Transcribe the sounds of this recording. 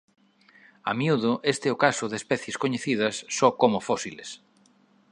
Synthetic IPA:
a̰mjuðʊʔest̪ɛʊkasʊðespɛθjeskoɲeθið̞ɐsːɔkomʊfosiles

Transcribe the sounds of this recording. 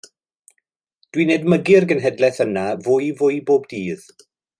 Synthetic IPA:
d̥winedməɡɪrɡənɦɛdlɛθənavʊjvʊjboːbdiːð̥

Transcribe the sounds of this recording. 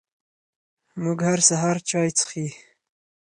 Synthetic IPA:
muɡhaɾsaɦaɾt͡ʃɑːjt͡sə̥xi

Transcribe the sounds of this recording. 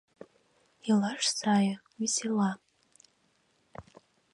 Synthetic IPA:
ilaʂsajawisila

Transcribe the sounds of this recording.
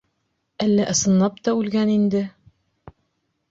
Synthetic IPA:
ælːæʔɤ̆sɤ̆nlˠɑpt̪ɒʉlɡænind̪ɘ

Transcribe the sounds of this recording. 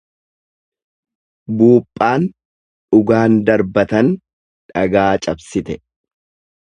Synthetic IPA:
buːpʼːaːn | ʊɡaːnd̪ɐɾbɐt̪ɐn | ᶑɐɡaːt͡ʃʼɐbsɪt̪ɛ

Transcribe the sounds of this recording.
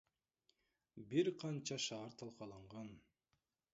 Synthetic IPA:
biɾqʰɑnt͡ʃʰɑʃɑːɾt̪ʰɑlˠqɑlˠɑɴʁɑn

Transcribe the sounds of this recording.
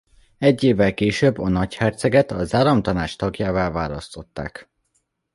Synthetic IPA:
ɛɟːeːvːɛlkeːʃøbːɒnɒchɛrt̪sɛɡɛt̪ɒzaːɾɒmt̪ɒnaːt͡ʃt̪ɒɡjaːvaːlvaːlɒst̪o̞t̪ːa̰ːk

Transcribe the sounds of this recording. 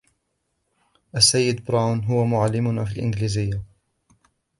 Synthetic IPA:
ʔasːajːɪd̪bɾawnɦʊwamʊʕalːɪmʊnafiːlʔɪ̰nɡliːzɪjːa

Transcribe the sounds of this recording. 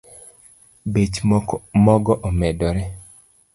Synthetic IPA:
bet͡ʃmɔɡɔʔɔmɛdɔɾɛ

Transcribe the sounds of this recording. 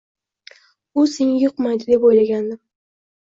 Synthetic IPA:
ʊseŋɪjʊqmajd̪ɪd̪e̞pojlaɡʲand̪ɪ

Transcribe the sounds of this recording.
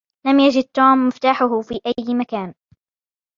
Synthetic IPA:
lamjad͡ʒɪd̪̚t̪uːmːɪft̪aːħʊɦʊfiːʔajːmakaːn

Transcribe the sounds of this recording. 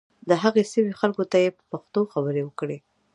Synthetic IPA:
d̪əɦaɣesəmixalkot̪ajepə̥paxt̪oxabəɾewəkɽe

